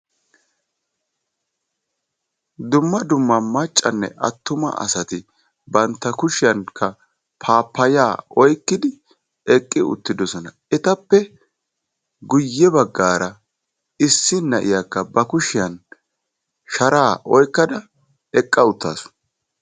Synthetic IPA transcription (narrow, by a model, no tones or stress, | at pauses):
d̪ʊmːɐd̪ʊmːɐmɐt͡ʃʼːɐnːɛ̰ʔɐ̰t̪ːʊmɐ̰ʔɐ̰sɐt̪ɪ | bɐnt̪ːɐkʊʃɪjɐnkʰːɐ | pʰaːpːɐja̰ːɔjkːɪd̪ɪ | ɛkʼːɪʊ̰t̪ːɪd̪ɔsɔnɐ | ɛt̪ɐpːɛ | ɡʊjːɛbɐɡːaːɾɐ | ɪsːɪnɐʔɪjakːɐbɐkʊʃɪjɐn | ʃɐɾaːʔɔjkːɐd̪ɐ | ɛkʼːɐʊt̪ːa̰ːsʊ̥